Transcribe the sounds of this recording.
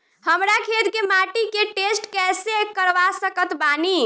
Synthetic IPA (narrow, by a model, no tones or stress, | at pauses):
həmɾakʰet̪kemaʈikeʈesʈkɛsekəɾʋasəkət̪bani